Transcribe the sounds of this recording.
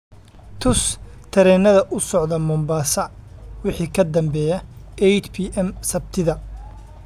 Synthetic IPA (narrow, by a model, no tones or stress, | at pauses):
t̪ʰʊst̪ʰɐɾɛːnɐðɐʔʊsɔʕðɐmɐmbaːsɐwɪħiːkʰɐd̪ɐmbɛːjɐɛt͡ʃpʰiʔɛmsɐb̚t̪ʰɪðɐ